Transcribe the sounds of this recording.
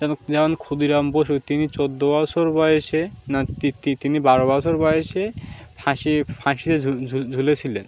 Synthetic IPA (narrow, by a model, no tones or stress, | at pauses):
d͡ʑɛnod͡ʑaankʰud̪iɾamboʃut̪init͡ɕod̪ːobɔsʰoɾbɔjeʃenat̪it̪it̪inibaɾobɔsʰoɾbɔjeʃe | pʰãʃipʰãʃit̪euud͡ʑʱulet͡ɕʰilen